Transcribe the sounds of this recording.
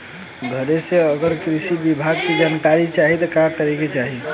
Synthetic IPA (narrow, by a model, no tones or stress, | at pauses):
ɡʱəɾeseəɡəɾkɾisibibʱaɡ̚ked͡ʒənkaɾit͡ʃaɦit̪ɔkakəɾɛket͡ʃaɦi